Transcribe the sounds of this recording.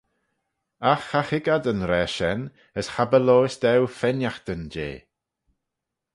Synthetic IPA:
axaxɪɡadənɾɛːʃɛn | əsxabəloːɪsd̪ɛwfɛnjaxt̪ənd͡ʒḛː

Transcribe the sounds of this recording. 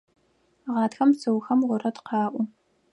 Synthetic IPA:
ʁɑnatxɐmsɨwxɐmʁʷʊɾɐdqɑːʔʷʊ

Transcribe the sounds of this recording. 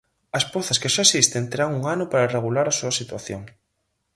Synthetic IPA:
ɐspoθɐskeʃaesist̪ent̪eɾaŋuŋanʊpaɾareɣ̞ulaɾasuɐsit̪waθjoŋ

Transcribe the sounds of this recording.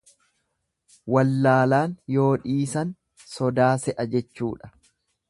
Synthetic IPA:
wɐlːaːlaːnjo̞ːᶑiːsɐn | sɔd̪aːsɛʔɐd͡ʒɛt͡ʃːuːᶑɐ̥

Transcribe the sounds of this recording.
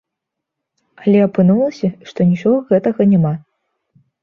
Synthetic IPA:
ɐlʲɛɐpɨnulˠɐsʲɐʂt̪ɔnʲit͡ʂɔɣɐɣɛt̪ɐɣɐnʲama

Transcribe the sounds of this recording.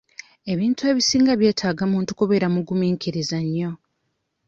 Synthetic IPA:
e̞βiːntue̞ːβisiːŋɡaβje̞ːtʰaːɡamuːntu̥koβe̞ɾamuɡumiːŋkʰiɾizaɲːo̞

